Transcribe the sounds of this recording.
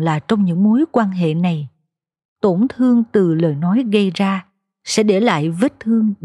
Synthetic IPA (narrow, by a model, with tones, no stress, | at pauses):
laː˨˩t͡ɕɔ˧wŋ͡mɲɨ̰˧˥ŋmo˨˦jkwaː˧nɦḛ˧˨na˨˩j | t̪o˧˩nt̪ʰɨ˧əŋt̪ɨ˨˩ləː˨˩jnɔ˨˦jɣə˧jzaː˧ | sɛ̰˧˥ɗe˧˩la̰ː˧˨jvə˦˥t̚t̪ʰɨ˧əŋ